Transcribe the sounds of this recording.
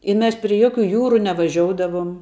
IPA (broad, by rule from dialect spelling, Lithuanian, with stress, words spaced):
ɪ ˈmʲɛs pʲrʲɪ ˈjoːkʲʊ ˈjuːrʊ nʲɛʋɐˈʒʲoːʊdɐʋʊm